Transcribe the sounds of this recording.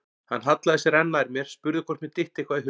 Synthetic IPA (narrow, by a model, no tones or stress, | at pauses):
hanːɦat̪laðɪsjɛɾɛnːaɾmjɛɾ̥spʏɾðɪkʰvɔɾ̥t̪mɪt̪ɪht̪ɪkʰvaːðɪhɦ